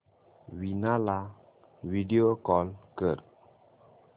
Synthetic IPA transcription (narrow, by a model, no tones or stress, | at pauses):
winala | vidiokɔlkəɾ